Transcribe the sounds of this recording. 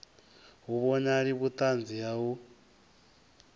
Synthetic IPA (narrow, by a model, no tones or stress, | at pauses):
ɦuβɔɲaɺiβut̪ʼand͡ziɦaɦu